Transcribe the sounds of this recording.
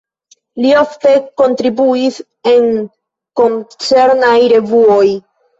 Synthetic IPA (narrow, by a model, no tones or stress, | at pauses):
lioft̪e̞ko̞nt̪ɾibuis | e̞ŋ | ko̞nt͡se̞ɾnajɾe̞vuoj